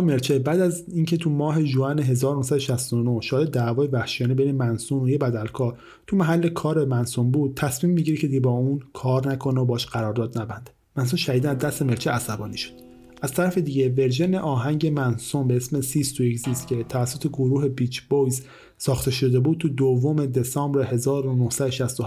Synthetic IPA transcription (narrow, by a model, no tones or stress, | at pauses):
me̞ɾt͡ʃʰebæːd̪æziːŋcʰe̞t̪ʰumɒːɦe̞ʒuæneɦe̞zɒːɾonohsæd̪oʃæst̪onoʃɒːjed̪d̪æːvɒːjevæhʃijɒːnebe̞jnemænsunojebæd̪ælkʰɒːɾ | t̪ʰumæɦælːe̞kʰɒːɾe̞mænsumbuːd̪̥̚t̪ʰæsmiːmːiɟiɾecʰe̞d̪iɟebɒːuːnkʰɒːɾnækʰo̞nobɒːʃɢ̥æɾɒːɾd̪ɒːd̪næbænd̪̥ | mæns̬unʃæhiːd̪ænæzd̪æst̪e̞me̞lt͡ʃʰeæsæbɒːniːʃo̥d̪̥ | ʔæz̥t̪ʰæɾæfe̞d̪iːɟe̞ve̞ɾʒeneʔɒːɦæɲɟe̞mænsumbeesme̞sist̪oecziːscʰe̞t̪ʰævæsːot̪ʰe̞ɡoɾuːɦe̞bit͡ʃʰbojz | sɒːxt̪ʰe̞ʃo̞d̪e̞buːd̪̥̚t̪ʰud̪ovːome̞d̪e̞sɒːmbɾeɦe̞zɒːɾonohsæd̪oʃæst̪oh